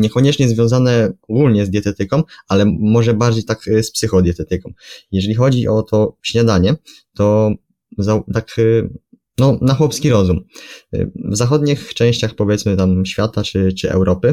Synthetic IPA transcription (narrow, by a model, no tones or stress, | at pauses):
ɲɛkɔɲɛt͡ʂɲɛzvʲjɔ̃w̃zanɛɔɡulɲɛzd̪ʲjɛt̪ɛt̪ɘkɔ̃walɛmɔʐɛbaɾd͡ʑejt̪akspsɘxɔd̪ʲjɛt̪ɛt̪ɘkɔ̃wjɛʐɛlʲixɔd͡ʑiʔɔt̪ʰɔɕɲad̪aɲɛ | t̪ɔ | zat̪ak | nɔnaxwɔpskʲiɾɔzum̰ | vzaxɔd̪ɲixt͡ʂɛ̃ɕt͡ɕaxpɔvʲjɛt̪smɘt̪amɕfʲjat̪at͡ʂɘt͡ʂɘɛ̰wɾɔpɘ